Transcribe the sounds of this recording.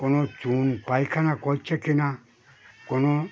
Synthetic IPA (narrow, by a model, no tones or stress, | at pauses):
konot͡ʃunpajkʰanakɔit͡ʃʰekina | kono